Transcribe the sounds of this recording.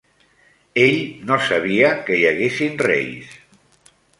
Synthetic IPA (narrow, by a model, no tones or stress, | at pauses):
eʎnosaβiakəjaɣesinrɛ̰js